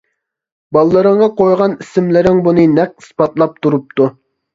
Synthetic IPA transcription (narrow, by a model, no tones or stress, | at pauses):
bɑlˠlːˠɨɾəɴʁɑqojʁɑnisɪmlɪɾɪŋbunɨnɛq̚i̥spɑt̪lˠɑp̚t̪uɾup̚t̪u